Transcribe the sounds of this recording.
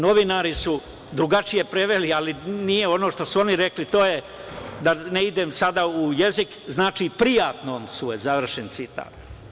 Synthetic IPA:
no̞ʋinaɾisu | d̪ɾuɡat͡ʃije̞pɾeʋelialinije̞o̞no̞ːʃt̪osuo̞niɾe̞klit̪oːje | d̪aneid̪emsad̪aujezikznaːt͡ʃiːpɾijaːt̪noːmsuezaʋr̩ʃent̪sit̪a̰ːt̪

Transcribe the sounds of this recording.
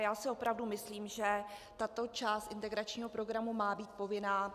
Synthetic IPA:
jaːsɪo̞pɾavdumɪsliːmʒɛt̪at̪o̞t͡ʃaːst̪ʔɪnt̪ɛɡɾat͡ʃɲiːɦo̞pɾo̞ɡɾamumaːbiːt̪̚po̞vɪnaː

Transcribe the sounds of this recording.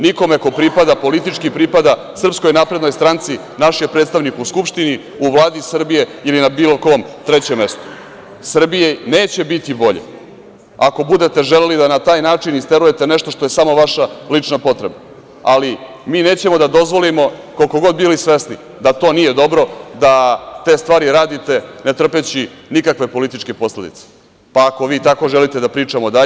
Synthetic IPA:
niko̞me̞ko̞pɾipad̪apo̞lit̪it͡ʂkipɾipad̪a | sr̩psko̞jnaːpɾe̞d̪nojst̪ɾant̪si | naʃjepɾet̪st̪aʋnikuskupʂt̪ini | uʋlˠaːd̪isr̩bije̞ilinabiːlo̞koomt̪ɾet͡ɕeme̞st̪o̥ | sr̩bijeneːt͡ɕe̞bit̪ibo̞ʎḛ | ako̞bud̪e̞t̪e̞ʒelelid̪anat̪aːjnaːt͡ʂinist̪eɾuje̞t̪e̞neʃt̪o̞ʃt̪o̞jesamo̞ʋaʃalit͡ʂnapo̞t̪ɾe̞ba | ali | miːne̞ːt͡ɕemo̞d̪ad̪o̞zʋo̞limo̞kolko̞ɡo̞d̪̚bilisʋe̞sni | d̪at̪o̞ːnije̞d̪o̞bɾo̞d̪at̪e̞ːst̪ʋaːɾiɾaːd̪it̪e̞ne̞t̪r̩pet͡ɕinikakʋe̞po̞lit̪it͡ʃke̞po̞sle̞d̪ḭt̪se̥ | paːko̞ʋiːt̪ako̞ʒelit̪e̞d̪apɾiːt͡ʂamo̞d̪a

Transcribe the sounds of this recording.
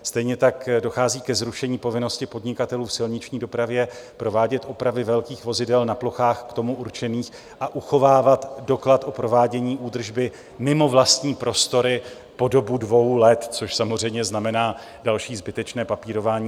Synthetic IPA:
st̪ɛjɲɛt̪akdo̞xaːziːkɛzɾuʃɛɲiːpo̞vɪno̞scɪpo̞dɲɪkat̪ɛluːfsɪlɲɪt͡ʃɲiːdo̞pɾavjɛpɾo̞vaːɟɛt̪ʔo̞pɾavɪvɛlkiːxvo̞zɪdɛlnaplo̞xaːxkt̪o̞muʔuɾt͡ʃɛniːx | ʔaʔuxo̞vaːvat̪do̞klat̪ʔo̞pɾo̞vaːɟɛɲiːʔuːd̪r̩ʒbɪ | mɪmo̞vlast̪ɲiːpɾo̞st̪o̞ɾɪ | po̞do̞budvo̞wlɛt̪t͡so̞ʃsamor̝ɛjmɲɛznamɛnaː | dalʃiːzbɪt̪ɛt͡ʃnɛːpapiːɾo̞vaːɲiː

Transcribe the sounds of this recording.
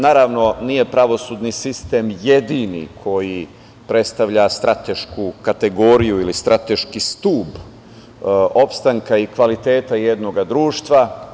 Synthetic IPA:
naːɾaʋno̞nije̞pɾaʋo̞sud̪nisist̪e̞mje̞d̪inḭkʰo̞ji | pɾe̞t̪st̪aʋʎast̪ɾʔat̪e̞ʃkukat̪e̞ɡo̞ɾijuilist̪ɾat̪e̞ʃkist̪uːb | o̞pst̪aŋkaikʋalit̪e̞ːt̪aje̞d̪no̞ɡad̪ɾuːʃt̪ʋa

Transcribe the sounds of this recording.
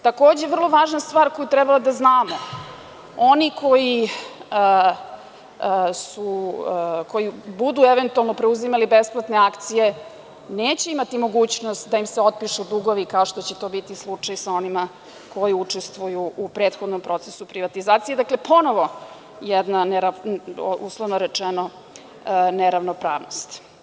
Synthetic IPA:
t̪ako̞ːd͡ʑeʋr̩lˠoʋaːʒnast̪ʋaːɾko̞jut̪ɾɛbalad̪aznaːmo | onikʰoji | su | kʰo̞jibud̪ueʋent̪ualˠnopɾeuzimalibesplˠat̪ne̞akt̪sije̞ | neːt͡ɕe̞imat̪imo̞ɡuːt͡ɕnost̪d̪aimseo̞t̪̚piʃud̪uɡoʋikaoʃt̪ot͡ɕet̪o̞ːbit̪islˠut͡ʂajsao̞nima | ko̞jiut͡ʂest̪ʋujuʔupɾeːt̪xod̪nompɾo̞t̪sesupɾiʋat̪izaːt̪sijed̪akle̞pʰo̞no̞ʋo̞ | jɛd̪naneɾa | ṵslˠoʋnoɾet͡ʂɛno | neɾaʋnopɾaːʋnost̪

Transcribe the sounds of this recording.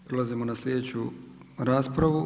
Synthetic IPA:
pɾelazimo̞naslʲjed̪et͡ɕuɾaːspɾaʋu

